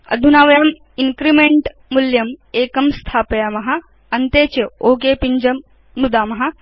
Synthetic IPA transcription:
ɐ̰d̪ʱunaːʋɐjaːm | iŋkɾimeɳʈ | muljɐmeːkɐmst̪ʰaːpɐjaːmɐɦɐ̆ | ɐnt̪eːt͡ʃɐoːɡeːpiɲd͡ʒɐm | nud̪aːmɐɦɐ̆

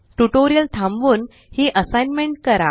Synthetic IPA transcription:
ʈuʈoɾijəlʈʰãmʋuːn | hiʔəsajnmẽɳʈ̚kəɾa

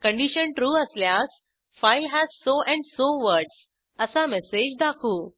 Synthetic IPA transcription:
kə̃ɳɖiɕənʈɾuːəsljas | fajlɦæzsoʔɛ̃ɳɖsoʋəɾɖs | əsamɛsed͡ʑd̪akʰuː

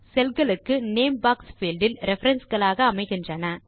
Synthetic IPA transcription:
sɛlɣɐɭɯkːɯneːmbaːksfiːlɖɪlɾʔɛfɐɾɐnsɣɐɭaːɣɐːmɐɪɣɪndrɐnɐ

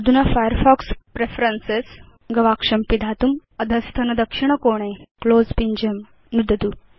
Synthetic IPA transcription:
d̪ʱunafajəɾfɔːkspɾefɾənses | ɡɐʋaːkʂɐmpid̪ʱaːt̪umɐd̪ʱɐst̪ʰɐnɐd̪ɐkʂiɳ̃ɐkoːɽ̃ekloːzpiɲd͡ʒɐm | nud̪ɐd̪u

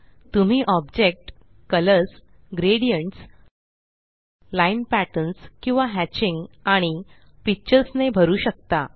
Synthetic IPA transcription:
t̪um̤iːʔɔbd͡ʑek̚ʈ | kələɾs | ɡɾeɽijəɳʈs | lainpæʈənskĩw̃ʋaɦæt͡ɕiŋɡaɽ̃i | pit͡ɕəɾsnebʱəɾuːɕək̚t̪a

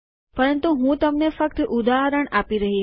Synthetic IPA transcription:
pəɾənt̪uɦũt̪əmnefək̚t̪ʔud̪aɦəɾəɳapiɾəɦi

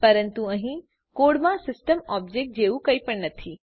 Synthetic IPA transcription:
pɐɾənt̪uɐ̃ɦĩ | koːɽmãsɪsʈəmɔːb̚d͡ʒeːk̚ʈ̚d͡ʑeːukɐipɐɳnɐt̪ʰiː

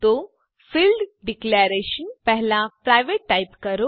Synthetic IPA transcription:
t̪o | filɖɖikleɾeɕənpɛɦlapɾajʋeʈːajpkəɾo

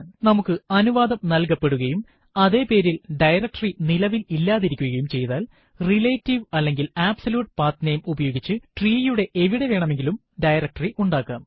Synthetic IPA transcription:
nɐmukːɨɐnuʋaːðɐmnɐlk̬ɐpːe̞ɽuɣɐjum | ɐðe̞ːpe̞ːɾilɖɐjrɐk̚ʈɐrinilɐʋililːaːðiɾikʲːuɣɐjumt͡ɕe̞jt̪aːl | rileːtːiʋɐlːe̞ŋɡilaːbsɐljuːʈpaːt̪nejɐmubɐjo̞ːɡit͡ɕːɨʈriːjuɽe̞ʔeʋiɽe̞ʋe̞ːɳɐme̞ŋɡilum | ɖɐjɾɐk̚ʈɐriʔuɳɖaːkːa̰ːm

